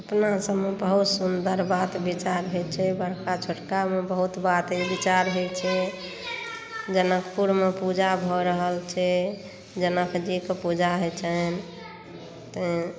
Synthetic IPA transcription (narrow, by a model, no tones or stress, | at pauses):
əpnasəmːebəɦut̪sund̪əɾbat̪bit͡ʃaɾɦet͡ʃʰɛbəɾkat͡ʃʰoʈkamebəɦut̪bat̪ibit͡ʃaɾɦet͡ʃʰɛ | d͡ʒənəkʰpuɾmepud͡ʒabʱɔɾəɦəlt͡ʃʰɛ | d͡ʒənəkʰd͡ʒikepud͡ʒaɦet͡ʃʰən | t̪e